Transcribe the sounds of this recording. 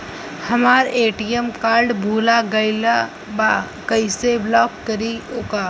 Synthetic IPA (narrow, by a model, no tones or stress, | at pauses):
həmaːɾeːʈiemkaːɾɖbʱuːlaɡəɪla | ba | kəɪseblɔːkːəɾioːkaː